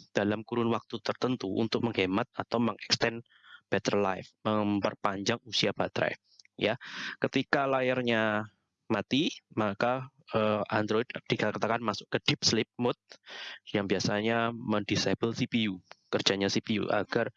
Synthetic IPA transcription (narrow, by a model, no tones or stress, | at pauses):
d̥alamkuɾʊnwak̚t̪ut̪ərt̪ənt̪uʔṵnt̪ʊk̚məŋɦemat̪̚at̪awməŋɛkst̪ɛn | b̥ɛt̪ərla̰jfməŋpərpaɲd͡ʒaŋusiab̥at̪ɾɛ̰ | jakət̪ikalajarɲa | mat̪imaka | əand̪ɾoɪd̚d̥ikat̪kat̪akanmasʊkːəd̥ɪp̚slɪp̚mʊt̪̚jaŋbiasaɲaməŋdisab̥əlsipiukərd͡ʒaɲasipiṵʔa̰ɡ̥ar